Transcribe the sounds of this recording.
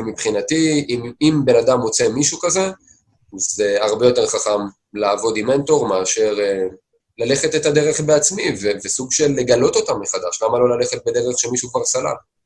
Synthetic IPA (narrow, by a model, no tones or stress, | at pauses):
mipχinatimimbe̞nad̪amo̞t͡se̞miʃukaze̞ | zeaʁbe̞jo̞te̞ʁχaχam | laːvo̞dime̞nto̞ʁmeaʃe̞ʁe | lale̞χe̞t̪etad̪eʁeχbe̞at͡smivevesuɡʃe̞lːe̞ɡalo̞to̞tamːeχad̪aʃlamalo̞lale̞χet̪̚bed̪eʁeχʃemiʃukvaʁsala̰l